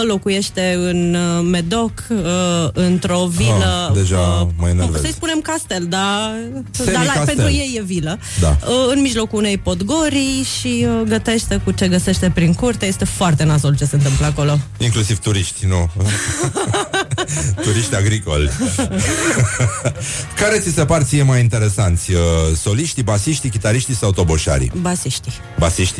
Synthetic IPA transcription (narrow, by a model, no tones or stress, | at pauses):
lo̞kuje̞ʃt̪e̞ɨnme̞d̪o̞kəɨnt̪ɾo̞viləd̪eʒamajenev̰səjsspune̞mkast̪e̞ld̪a | d̪aape̞nt̪ɾuje̞jːe̞vilə | d̪a̰əɨnmiʒlo̞kuune̞jpo̞d̪ɡo̞ɾijʃiəɡət̪e̞ʃt̪e̞kut͡ʃe̞ɡəse̞ʃt̪e̞pɾiŋkurt̪ejest̪e̞foart̪e̞nazolt͡ʃe̞se̞ɨnt̪ɨmpləako̞lo̞iŋklusiv̥t̪uɾiʃt̪ʲnu | uɾiʃt̪ʲaɡɾiko̞̰lʲ | kaɾe̞t̪sisepart̪sijemajint̪e̞ɾe̞sant̪sʲəso̞liʃt̪ibasiʃt̪ikʲit̪aɾiʃt̪isawt̪o̞boʃa̰ɾḭbasiʃt̪i | ba̰siʃt̪i